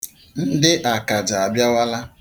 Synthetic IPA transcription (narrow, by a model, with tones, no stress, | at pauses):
n̩˦dɪ˦ʔa˨ka˨d͡ʒa˨a˨bja˦wa˦la˦